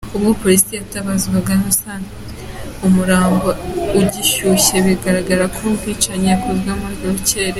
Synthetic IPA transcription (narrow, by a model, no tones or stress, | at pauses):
uβɡopo̞ɾisijaβutaβaziɡwaɡanosaːnti | umuɾaːmɡouɟiʃuɕe̞βiɡaɾaɡaɾakumkit͡ʃaɲeakuzɡamuɾjoce̞ːɾe